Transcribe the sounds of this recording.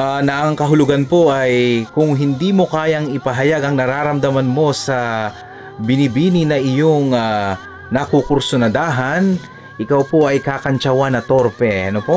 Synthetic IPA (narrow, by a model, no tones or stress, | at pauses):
ʔanɐʔɐŋkɐɦʊlʊɡanpo̞ʔajkʊŋɦɪnd̪iːmo̞kaːjɐŋɪpɐɦɐjaɡɐŋnɐɾaːɾɐmd̪ɐmɐnmo̞sɐ | bɪnɪbiːnɪnɐʔɪjoŋa | nɐkukʊɾsʊnɐd̪aːɦɐn | ʔɪkawpo̞ʔɐjkakɐnt͡ʃɐwanɐt̪o̞ɾpɛɐnopoʔ